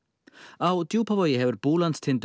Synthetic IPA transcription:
awd̪juwpʰɔvɔjɛhɛwrb̥uːlanttʰɪnd̪

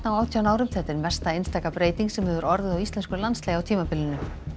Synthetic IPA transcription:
t̪nawaːwt̪ʰjawnaːwɾʏmθɛht̪ɪɾmvɛr̥st̪aejnst̪aːkapɾeːjt̪iŋksɛmhɛvʏɾɔɾðɪawist̪lɛnskʏɾlanslejawt̪ʰiːmapʰɪlːɪnʏ

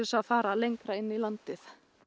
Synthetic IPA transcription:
ɪsaðfaːɾalejŋkɾaɪnːilant̪ɪθ

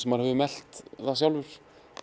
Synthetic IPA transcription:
sɛmaðɾhɛvʏmɛl̥t̪θaðsjawlvʏɾ̥

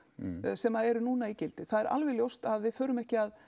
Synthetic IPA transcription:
sɛmaðɛɾnuːnaicɪlt̪ɪθaðɛɾʔa̰lvɪljowst̪aðvɪðfœːɾʏmɛhcɪað

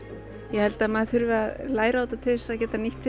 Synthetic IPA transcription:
jɛhɛlt̪amaðθʏɾvɪaðlaːjɾaaːwt̪at̪ʰɪsaðcɛːt̪aniht̪ːɪ

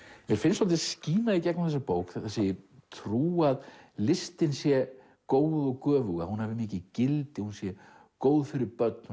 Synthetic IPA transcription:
vɪɾ̥fɪnsɔlt̪ɪsciːnaðicɛknamθɛsːapoːwkθaθasejɪt̪ʰɾuːaðlɪst̪ɪnsjɛ | koːwðɔɣkœːvʏɣahunhavɪmɪːcɪcɪlt̪ɪhunsjɛ | koːwðfɪɾɪɾpœt̪̚nʏ

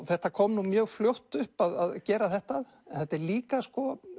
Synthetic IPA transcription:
θɛht̪akʰɔːmnumjœːɣfljowht̪ʏhpaðaðcɛːɾaθɛht̪að | ɛnθɛht̪ːɛɾliːkaskɔ

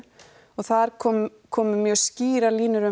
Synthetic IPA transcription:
ɔɣθaðɾ̥kʰɔːm | kʰɔːmʏmjœːɣsciːɾaliːnʏɾʏ

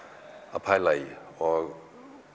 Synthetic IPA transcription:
apʰajlajɔ

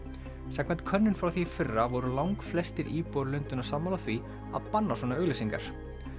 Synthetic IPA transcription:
sɛkvɛnt̪̚kʰœnːʏnfɾawθifɪrːavɔɾʏlawŋkflɛst̪ɪɾʔiːpɔwɾlʏnt̪ʏnasamːaːlaθvi | a̰ðpanːaswɔːnaœɥɣlɛsiŋka̰ɾ̥

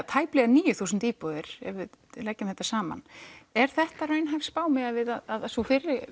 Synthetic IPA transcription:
t̪ʰaːjplɛɣaniːjʏθuːsʏnt̪iːpɔðɪɾ̥ɛ̰vvɪðlɛcːʏmθɛt̪ːḁsaːma̰nɛɾ̥θɛht̪aɾœjnɦajfspaːwmɪɣaðvɪðaðaðsɔfɪrːɪ

